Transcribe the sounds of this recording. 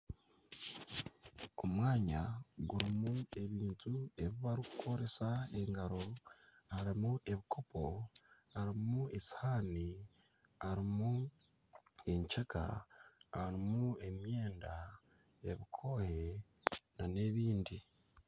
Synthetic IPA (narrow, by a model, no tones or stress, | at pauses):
o̞mwaːɲa̰ɡuɾimue̞βiːntʰue̞βiβaɾiku̥kʰo̞ɾe̞sae̞ŋɡaɾo̞aɾimuʔe̞βikʰo̞po̞ | aɾimue̞shaːni | aɾimu | e̞ɲt͡ʃaka̰aɾimue̞mje̞ːnda | eβikʰo̞ːhe̞ | nane̞βiːndi